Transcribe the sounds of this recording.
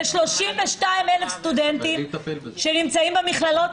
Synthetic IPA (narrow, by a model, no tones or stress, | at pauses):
ʃlo̞ʃimveʃtaimelefst̪ud̪ent̪imʃenimt͡saimbemiχlalo̞t